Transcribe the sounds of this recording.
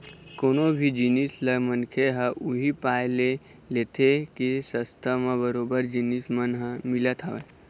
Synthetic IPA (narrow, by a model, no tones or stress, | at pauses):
koːnobʱid͡ʒinisləmənkʰeɦəʔuɦipaːjle | leːt̪ʰekisəst̪ʰəmãbəɾoːbəɾd͡ʒinismənɦə̃mɪlət̪ʰɦaʋe